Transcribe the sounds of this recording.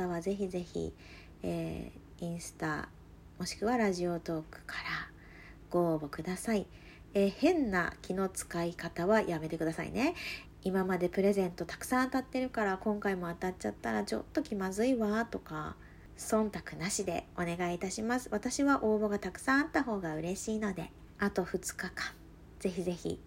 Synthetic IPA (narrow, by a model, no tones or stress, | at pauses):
aβaze̞çize̞çḭ | ḛː | ĩɰ̃sɨ̥t̪a̰ | mo̞ɕi̥kɯ̟βaɾaʑio̞t̪o̞ːkɯ̟̥kʰḁɾa | ɡ̥o̞ːbo̞kɯ̟d̪asai | eːhẽ̞nːa̰kʲino̞t͡sɨ̥kaikat̪aβajame̞t̪e̞kɯ̟d̪asa̰ḭne̞ | imamad̪e̞pɯ̟ɾe̞zẽ̞nt̪o̞t̪ḁkɯ̟̥sãt̪at̪ːe̞ɾɯ̟kaɾakõ̞ŋkaimo̞at̪at͡ɕːat̪ːaɾat͡ɕo̞̰t̪ːo̞kʲimazɨiβat̪o̞ka̰ | sõ̞nt̪akɯ̟naɕid̪e̞̰o̞ne̞ɡaiːt̪aɕimasɨ̥βat̪aɕiβaʔo̞ːbo̞ɡat̪akɯ̟̥sãɰ̃at̪ːaɦo̞ːɡaɯ̟ɾe̞ɕiːno̞d̪e̞ | at̪o̞ɸɯ̟t͡sɨ̥kakḁ̃ | d͡ze̞çize̞çḭ